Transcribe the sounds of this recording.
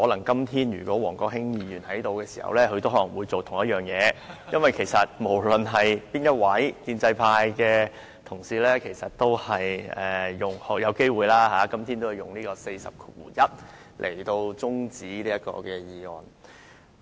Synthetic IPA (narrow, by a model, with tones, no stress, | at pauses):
hɔː˨˥lɐ˨˩ŋkɐ˥mt̪ʰiː˥njy̰ː˨˩kʷɔː˨˥wɔː˨˩ŋkɔː˧k̚hɪ˥ŋjiː˧jyː˨˩nhɐ˨˥jt̪o˧wkɛː˧si̥ː˨˩hɐ̰˨wlɛː˥kʰɵ˧t̪o˥whɔː˨˥lɐ˨˩ŋwuː˨˧jt͡so˨wt̪ʰʊ˨˩ŋjɐ˥t̚jœː˨˩ŋjɛː˨˧jɐ˥nwɐ˨jkʰe˨˩jsɐ˨t̚mo˨˩wlɵ˨nɦɐ˨jpiː˥njɐ˥t̚wɐ˨˥jkiː˧nt͡sɐ˧jpʰaː˧jkɛː˧ | t̪ʰʊ˨˩ŋsiː˨˧lɛː˥kʰe˨˩jsɐ˨t̚t̪o˥whɐ˨jɛː˨˩jʊ˨˩ŋhɔ˨˥jɐ˨˧wke˥jwuː˨˧jlaː˥ɦaː˨˦kɐ˥mt̪ʰi˥nt̪o˥whɐ˨jʊ̰˨ŋliː˥kɔː˧se˧jsɐ̰˨p̚kʰu˨˥wuː˨˩jɐ˥t̚ | lʔḛ˨˩jt̪o˧wt͡sʊ˥ŋt͡siː˨˥liː˥jɐ˥kɔ̰ː˧kɛː˧jiː˨ŋɔː˨n